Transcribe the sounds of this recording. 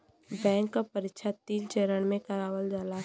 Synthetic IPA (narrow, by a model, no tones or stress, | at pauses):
bɛ̃ːŋkːapəɾɪkʃʰat̪iːlt͡ʃeːɾəɽ̃mẽkɐɾaːʋəld͡ʒaːla